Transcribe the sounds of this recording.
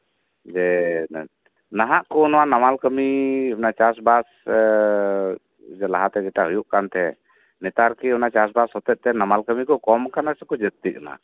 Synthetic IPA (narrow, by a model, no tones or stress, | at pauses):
d͡ʒɛ | naɦaʔkɔnɔwanamalkəmiɔnat͡ʃas̬bas | d͡ʒɛlaɦat̪ɛd͡ʒɛʈaɦujuʔkant̪ɛ | nɛt̪aɾkiɔnat͡ʃas̬bashɔt̪ɛt̪ɛnamalkəmikɔkɔmkanasɛkɔd͡ʒət̪̚t̪iʔ̚na̰